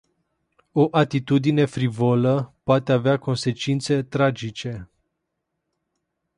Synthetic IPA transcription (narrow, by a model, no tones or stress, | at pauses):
o̞ʔat̪it̪ud̪ine̞fɾivoləpoat̪eaveako̞nse̞t͡ʃint̪se̞t̪ɾad͡ʒit͡ʃe̞